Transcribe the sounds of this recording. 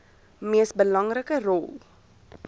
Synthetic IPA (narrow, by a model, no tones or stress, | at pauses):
miəsbəlɐŋrəkərɔlˠ